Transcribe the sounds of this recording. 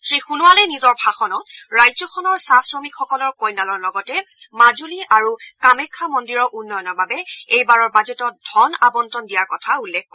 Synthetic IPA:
sɹixunualɛnizɔɹbʱaxɔnɔt̚ɹajzɔkʰɔnɔɹsasɹɔmikxɔkɔlɔɹkojnalɔɹlɔɡɔtɛ | mazuliʔaɹukamɛkʰːamɔndiɹɔʔunːɔjɔnɔɹbabɛejbaɹɔɹbazetɔt̚dʱɔnabɔntɔndijaɹkɔtʰaulːɛk̚ʰpɔɹɛ

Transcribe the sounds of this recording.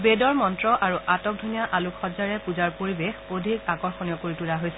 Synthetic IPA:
bedɔɹmɔntɹɔʔaɹuʔatɔk̚dʱunijaʔalukʰxɔzaɹɛpuzaɹpoɹibexodʱikakɔɹxɔnijɔkoɹitulaɦojsɛ

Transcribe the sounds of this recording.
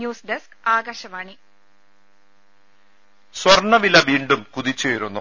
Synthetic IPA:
juːsɖeskaːɡɐɕɐmaːɳi | swɐrɳːɐʋilɐʋiːɳɖumkuðit͡ɕːejiɾunːu

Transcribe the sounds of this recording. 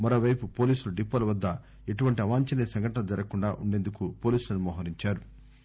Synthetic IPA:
mɐɾoːʋɐjpupo̞ːliːsuluɖipːɐlɐʋɐd̪ːɐ | e̞ʈuʋɐɳʈiɐʋaːɲt͡ʃɐlisɐŋɡʱɐʈɐnɐd͡ʒɐɾɐkuɳɖaːʔuɳɖe̞ːnd̪ukupo̞ːliːsulɐnumɔːɦɐɾiɲt͡ʃaːɾu

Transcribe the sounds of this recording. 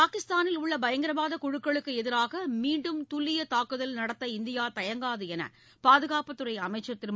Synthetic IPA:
paːkɪst̪aːnɪlʊɭːɐbɐjɐŋɡɪɾɐbaːðɐkʊɻɯkːɐɭɯkːɯɛðɪɾaːɣɐmiːɳɖɯmt̪ʊlːɪjɐt̪aːkːɯðɐlnɐɽɐt̪ːɐɪnd̪ɪjaːt̪ɐjɐŋɡaːðɯɛnɐ̰ | paːðɯɣaːpɐt̪ːɯrɐɪɐmɐɪt͡ʃːɐt̪ːɪɾm

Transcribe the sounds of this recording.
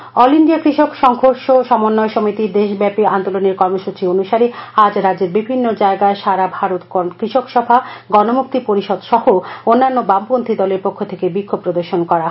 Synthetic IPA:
ɔliɳɖiakɾiʃokʃɔŋɦoɾʃoʃɔmonːɔeʃomit̪id̪eʃbɛpiand̪oloneɾkɔɾmoʃut͡ɕionuʃaɾiad͡ʑɾad͡ʑeɾbibʱinːod͡ʑaeɡaeʃaɾabʱaɾot̪kɾiʃokʃɔbʱaɡɔnomuk̚t̪ipoɾiʃɔd̪ʃɔhoonːanːobampont̪ʰid̪ɔleɾpokʰːot̪ʰekebikʰːob̚pɾod̪oɾʃonkɔɾa

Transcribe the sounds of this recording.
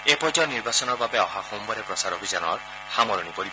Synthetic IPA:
epɔd͡ʒɔniɾbasɔnɔɾbabeɔɦahombɔɾepɾɔsaɾɔbʱid͡ʒanɔ̰ɾ | hamɔɾɔñipɔɾibɔ

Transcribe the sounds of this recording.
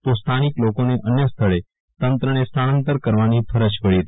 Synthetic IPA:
t̪ost̪ʰaniklokoneʔənjəst̪ʰəɭe | t̪ənt̪ɾənest̪ʰanə̃nt̪əɾkəɾʋanipʰəɾət͡ʃpəɭit̪

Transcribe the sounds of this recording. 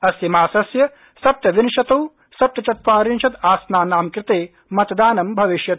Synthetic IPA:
ɐsjɐmaːsɐsjɐ | sɐp̚t̪ɐʋinʃɐt̪ɐw | sɐp̚t̪ɐt͡ʃɐt̪̚ʋaːɾinʃɐt̪aːsnaːnaːmkɾɪt̪eː | mɐt̪d̪aːnɐmbʱɐʋiʃjɐt̪

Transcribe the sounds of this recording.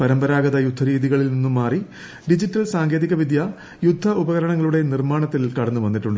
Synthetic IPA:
pɐɾɐmbɐɾaːɡɐðɐjud̪ʱːɐɾiːðiɣɐɭilninːumːaːri | ɖid͡ʑiʈːɐlsaːŋɡe̞ːðiɣɐʋid̪ja | jud̪ʱːɐubɐɣɐɾɐɳɐŋːɐɭuɽe̞nirmaːɳɐt̪ːilkɐɽɐnːuʋɐnːiʈːuɳɖɨ

